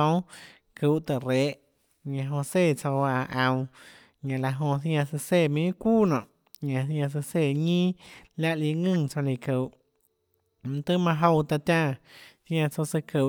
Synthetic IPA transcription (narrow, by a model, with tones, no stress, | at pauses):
õ˦w | ku˨ʔt̪a˨ɾeː˨˦ʔ | ɲã˧ɦõ˧se˦˨t͡so˧wa˧ʔã˧w̃ | ɲã˨la˧ɦõ˧θj̃ã˧sɨ˧se˧˨mĩ˧˦kuː˦nɔ̰̃˨ʔ | ɲã˧˨θjã˧s̬ɨ˧se˧˨ɲĩː˦la˦ʔli˧˨ŋɨ̃˦˨t͡sã˧li˧˨kɨ˨ʔ | t̪ɨ˦mã˧ɦo˧wt̪a˧t̪ʲjã˦˧˨θjã˧t͡so˧sɨ˧kɨ˨